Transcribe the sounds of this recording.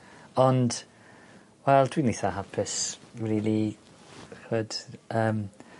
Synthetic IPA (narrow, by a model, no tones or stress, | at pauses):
ɔnd̥ | wɛlˠtʰwiniθaɦapʰɪsriːli | χəd̥əːm